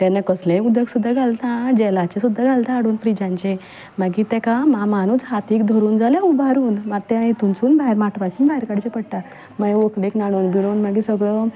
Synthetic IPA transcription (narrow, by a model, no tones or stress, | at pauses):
t̪ɛ̃nːakəslẽud̪əɡsud̪ʱːaɡʱalt̪ãd͡ʑɛlat͡ɕẽsud̪ʱːaɡalt̪ãːɽuːnfɾid͡ʑãɲt͡ɕe | maɡit̪ɛkãmãmanuːd͡zɦat̪iːk̚d̪ʱɔɾuːnd͡zaljãubaɾuːnmat̪ɛ̃it̪unt͡suːnbaɦiɾmaʈʰʋajt͡ɕinbʱaɦiɾkaɽit͡ɕepəɽʈ̪a | maʋokɽeknaɽ̃onbiɽ̃oːnmaɡisəɡɭə